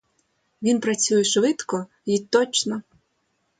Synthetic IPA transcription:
ʋʲinpɾɐt͡sʲujɛʃʋɪt̪kɔ | it̪ɔt͡ʃnɔ

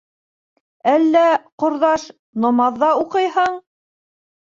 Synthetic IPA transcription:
ælːæqŏɾðɑʃ | nŏmɑðːɑuqɤjhɤɴ

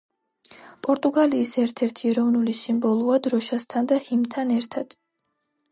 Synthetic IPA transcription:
pʼɔɾt̪ʼuɡaliːsɛɾt̪ʰɛɾt̪ʰiɛɾɔvnulisimbɔlˠuad̪ɾɔʃast̪ʰand̪ahimt̪ʰanɛɾt̪ʰad̪̥

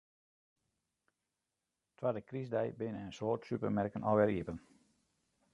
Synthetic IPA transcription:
tʰwadəkrisdɛjbɪnəənsoːrtsypərmɛrkənʔɔ̰ʋɛɾiəpən

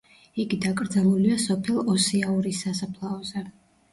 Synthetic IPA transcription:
iɡid̪akʼɾd̪zalˠuliasɔpʰɛlˠɔsɛauɾisasapʰlˠaɔzɛ

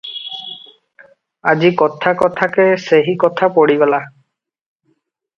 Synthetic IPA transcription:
ad͡ʒikɔt̪ʰakɔt̪ʰakeseɦikɔt̪ʰapɔɽibela

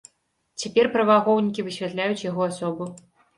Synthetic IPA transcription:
t͡sʲapʲɛrpɾɐvaɣɔwnʲikʲivɨɕʲvʲat̪lʲajut͡sʲjaɣɔasɔbu

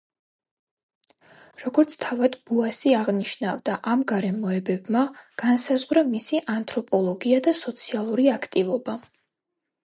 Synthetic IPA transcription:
ɾɔɡɔɾt̪sʰt̪ʰavad̪buasiaʁniʃnavd̪aʔamɡaɾɛmɔɛbɛbmaɡ̥ansazʁɾamisiʔant̪ʼʰɾɔpʼɔlˠɔɡiad̪asɔt̪sʰialˠuɾiakʰt̪ʼivɔba

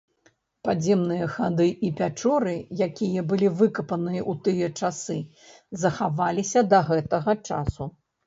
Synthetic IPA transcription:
pad͡zʲɛmnɨjɐxad̪ɨʔipʲat͡ʂɔɾɨjakʲijɐbɨlʲivɨkɐpɐnɨjɐʔut̪ɨjɐt͡ʂasɨ | zɐxavalʲisʲɐd̪ɐɣɛt̪ɐɣɐt͡ʂa̰su

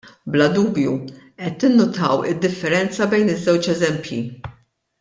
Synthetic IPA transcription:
blɐd̪uːbju | ʔɛt̪ːɪnːʊt̪ɐwɪd̪ːɪfːɛɾɛnt͡sɐbɛjnɪzːɛwt͡ʃɛzɛmpjḭ

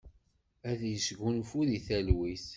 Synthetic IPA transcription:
æðjəsɡunfuðiθælwiθ

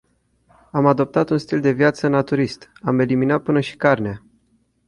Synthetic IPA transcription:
amad̪o̞p̚t̪at̪unst̪ild̪e̞vijat̪sənat̪uɾist̪ame̞liminat̪̚pɨnəʃi̥karnea

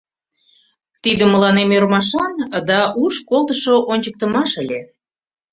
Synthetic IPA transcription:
t̪id̪əmːəlɑnemørmɑʃɑnd̪ɑʔuʃkolˠt̪əʃoʔonʲt͡ɕək̚t̪əmɑʃəlʲe

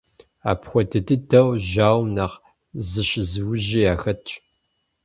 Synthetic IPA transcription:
a̰ːpxʷɔtʰɐtʰɨtʰɐwʒaːwnɐʁ | zɨɕɪzɨwʊʒeːaːxɐt͡ʃʼ

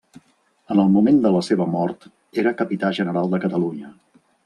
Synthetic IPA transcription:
ənəlˠmumend̪ələseβəmɔɾt̪ | eɾəkəpit̪aʒənəɾalˠd̪əkət̪əluɲə

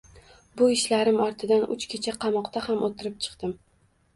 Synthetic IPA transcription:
bʊɪʃlaɾɪmɒɾt̪ʰɪd̪anʊ̰t͡ʃkʲʰet͡ʃʰaqʰɑmɒqt̪ahamʔot̪ʰɪɾɪp̚t͡ʃʰɨ̥qt̪ɪm

